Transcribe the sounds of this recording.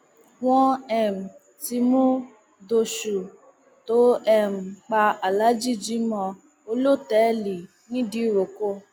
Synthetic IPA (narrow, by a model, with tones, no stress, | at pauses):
w̃ɔ̃˦ɛ˦˨m̩˨ | ti˧mũ˦ | do˧ʃu˨ | to˨˦ɛ˦˨m̩˨k͡pa˧a˨la˨˦d͡ʒi˦˨d͡ʒi˨˦mɔ̃˧ | o˧lo˦˨tɛ˨˦li˨ | nĩ˦di˧˦˨ɾo˨ko˦